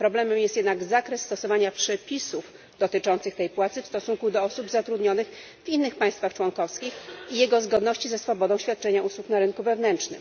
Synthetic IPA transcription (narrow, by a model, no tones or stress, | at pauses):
pɾɔblɛmɛmjɛst̪jɛd̪naɡzakɾɛsːt̪ɔsɔvaɲapʂɛpʲisuf | d̪̥ɔt̪ɘt͡ʂɔnt̪sɘxt̪ɛjpwat̪sɘfst̪ɔsuŋkud̪ɔɔsubzat̪ɾud̪ɲɔnɘx | vinːɘxpaj̃st̪faxt͡ʂwɔŋkɔfskʲixijɛɡɔzɡɔd̪nɔɕt͡ɕizɛsfɔbɔd̪ɔ̃w̃ɕfʲjat̪̚t͡ʂɛɲauswuknaɾɘŋkuvɛvnɛntʂnɘ̰m